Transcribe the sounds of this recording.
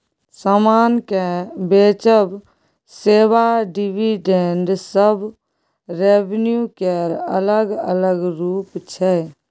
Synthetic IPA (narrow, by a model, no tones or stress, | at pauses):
səmaːnkebeːt͡ʃəb | seːʋaɖiʋiɖeɳɖsəb | ɾebnjukeɾə̰ləɡə̰ləɡɾuːpt͡ʃʰɛ